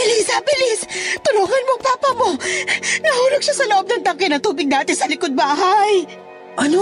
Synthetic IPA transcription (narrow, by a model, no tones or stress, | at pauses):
ɪlisabɪlɪst̪ʊloːŋɐnmoŋpaːpɐmo̞nɐhuːloɡ̚ʃasɐloʔob̚nɐŋt̪ɐkɪnɐt̪uːbɪɡ̚d̪aːt̪ɛsɐlɪkod̪̚baːɦaj | ʔɐno